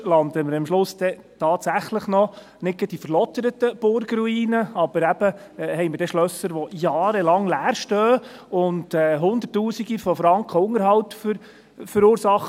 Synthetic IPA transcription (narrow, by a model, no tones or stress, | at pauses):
lɑnd̪əməɾɑmʃlʊsd̥̪ɛ | tʰɑːtsæχləχnɔ | nɪɡɛd̥ifəɾlɔt̪əɾət̪əb̥ʊɾɡɾuiːnəɑb̥əɾæb̥əhɛɪməɾdɛʃlœsəɾʋɔjɑːɾəlɑŋlæːɾʃtœːʊndɛːɦʊnd̪ərtːuːsiɡifɔfɾɑŋkʰχəʊŋːəɾɦhɑwtfʏɾ | fəɾuːɾsɑχ